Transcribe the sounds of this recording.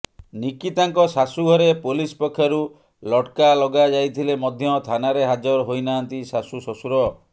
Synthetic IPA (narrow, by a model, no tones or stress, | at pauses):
nikit̪aŋkɔsasuɡʱɔɾepolispɔkʰːjɔɾu | lɔʈkalɔɡad͡ʒajt̪ʰilemɔd̪ʱjɔt̪ʰanaɾeɦad͡ʒɔɾɦojnaːnt̪isasusɔsuɾɔ